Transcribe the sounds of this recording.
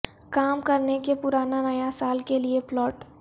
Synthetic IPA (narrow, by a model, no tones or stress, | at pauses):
kaːmkɐɾnekepʊɾaːnanɐjasaːlkelieplɔːʈ